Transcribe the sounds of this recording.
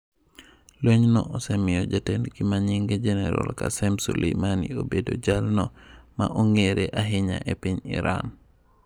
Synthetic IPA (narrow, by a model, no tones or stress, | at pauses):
loɲnɔʔɔsemijod͡ʒatenkimaɲiŋɡed͡ʒɛnɛɾo̰lkasɛmsulemaniobedod͡ʒalnɔmaʔuŋɡeɾeʔaɦiɲa̰ʔepiɲḭɾa̰n